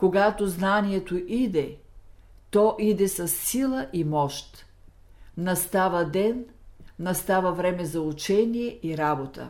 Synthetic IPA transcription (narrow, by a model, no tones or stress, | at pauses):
koɡat̪oznaniɛt̪oʔid̪ɛ | t̪ɔʔid̪ɛsɐsːilˠəʔimɔʃt̪ | nɐst̪avɐd̪ɛnnɐst̪avɐvɾɛmɛzɐut͡ʃɛnijɛʔiɾabot̪ə̰